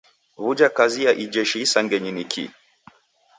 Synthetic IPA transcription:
βud͡ʒakazijaʔid͡ʒɛʃisaŋɡɛɲinikʰḭ

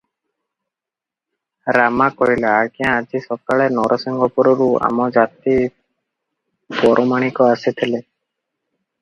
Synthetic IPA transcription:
ɾamakɔɾileakiãːd͡ʒisɔkaɭenɔɾʔɔsiŋɡɔpɔɾɔɾua̰mɔd͡ʒat̪i | pɔɾʔɔmaɽ̃ikɔaset̪ʰile

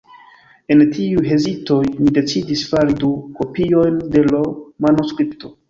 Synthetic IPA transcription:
e̞ntʰiujɦe̞zito̞jnide̞t͡sidisfaɾiduko̞pio̞jnde̞lomanoskɾipto̞

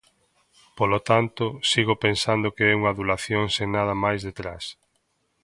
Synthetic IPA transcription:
polot̪ant̪ʊsiɣopensand̪okeɛuŋɐðulaθjoŋsenaðɐmajzðet̪ɾas

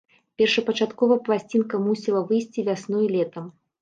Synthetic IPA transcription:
pʲɛrʂɐpɐt͡ʂat̪kɔvɐplˠasʲt͡sʲinkɐmusʲilˠɐvɨjsʲt͡sʲivʲasnɔjilʲɛt̪ɐm

